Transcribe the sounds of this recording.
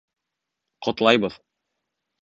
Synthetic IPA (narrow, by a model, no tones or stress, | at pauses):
qŏt̪lˠɑjbɤð̥